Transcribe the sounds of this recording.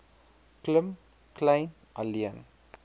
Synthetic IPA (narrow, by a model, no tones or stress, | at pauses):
kləm | klɐjn | ʔaliən